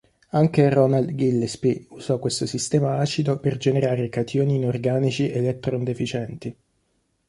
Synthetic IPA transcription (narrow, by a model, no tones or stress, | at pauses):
aŋkerɔnald̪ɡilːespiuzɔkːwest̪osist̪ɛːmaaːt͡ʃid̪operd͡ʒeneɾaːɾekat̪ʰjoniːnorɡaːnit͡ʃiʔelɛt̪ːɾond̪efit͡ʃɛnt̪i